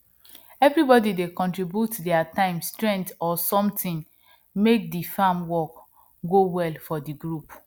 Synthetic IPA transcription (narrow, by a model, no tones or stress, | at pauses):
ɛvɹibɔdidekɔ̃ntɹibjutdɛatãɪ̃mstɹɛ̃ntɔsɔ̃mtʰĩn | mek̚difamwɔk | ɡowɛlfɔdiɡɹup